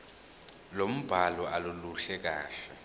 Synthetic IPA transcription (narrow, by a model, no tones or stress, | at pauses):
lom̩b̥ʱalɔʔaluluɬɛk̬aːɬɛ